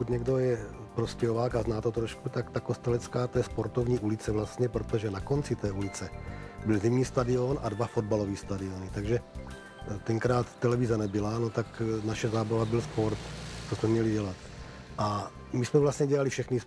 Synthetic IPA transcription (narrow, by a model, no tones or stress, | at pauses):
pokut̪ɲɛɡdo̞jɛ | pɾoscɛɦovaːkaznaːt̪ot̪ɾoʃkut̪akt̪akost̪ɛlɛt͡skaːt̪ɛːspo̞ɾt̪ovɲiːʔulɪt͡sɛvlast̪ɲɛpɾot̪oʒɛnako̞nt͡sɪt̪ɛːʔulɪt͡sɛbɪlzimɲiːst̪adɪo̞nʔadvafo̞d̚balo̞viːst̪adɪonɪt̪aɡʒɛ | t̪ɛŋkɾaːt̪ːɛlɛvɪzanɛbɪlanot̪aknaʃɛzaːbavabɪlspo̞ɾt̪t͡sosmɛmɲɛliɟɛlat̪ | ʔa | mismɛvlast̪ɲɛɟɛlalifʃɛxni